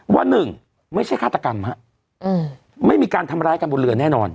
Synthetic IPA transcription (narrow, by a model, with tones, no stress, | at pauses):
wa̰˧nːɯ˨˩ŋ | ma˥˩jʰa˥˩jkʰaː˥˩t̪a˧ka˧mha˦˥ʔ | ma˥˩jmiː˧kaː˧nt̪ʰa˧mɾaː˦˥jka˧bo˧nlɯ˧˩ənɛː˥˩nɔː˧n